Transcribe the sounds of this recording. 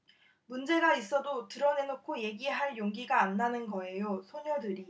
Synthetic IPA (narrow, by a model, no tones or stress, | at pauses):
mund͡ʑe̞ɡais͈ʌdotɯɾʌne̞nokʰoje̞ɡiɦaɭjoŋɡiɡaːnːanɯnɡʌe̞josʰoɲʌdɯɾi